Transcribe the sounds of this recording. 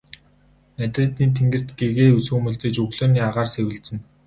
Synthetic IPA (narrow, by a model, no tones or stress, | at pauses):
næt̪rɘ̆t̪iːnt̪ʰeŋɡɘ̆r̥t̪ɡeɣeːusuːmɵ̆ɮt͡sĕːt͡ɕɵɣɮoːniːaʁaːrsewɘ̆ɮt͡sɘ̆n